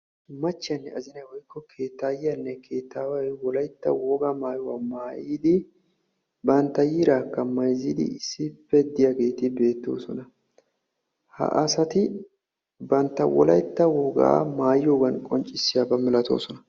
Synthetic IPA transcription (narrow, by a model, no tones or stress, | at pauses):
mɐt͡ʃːɪjɐnːɛɐzɪnɐjwɔjɪkːɔkʰeːt̪ːaːjɐnːɛkʰe̞ːt̪ːaːwɐjwɔlɐjt̪ːɐ̰woːɡamaːjwɐmaːjiːd̪ɪ | bɐnt̪ːɐjɪɾaːkːɐmɐjziːd̪ɪ̰ɪsːɪpːɛd̪ɪjaɡe̞ːt̪ɪbe̞ːt̪ːo̞̰ːsɔnɐ | hɐ̰ʔɐsɐt̪ɪ | bɐnt̪ːɐwɔ̰lɐjt̪ːɐwoːɡa̰maːjo̞ːɡɐnkʼɔnt͡ʃʼːɪsːɪjaːbɐmɪlɐt̪o̞̰ːsɔnɐ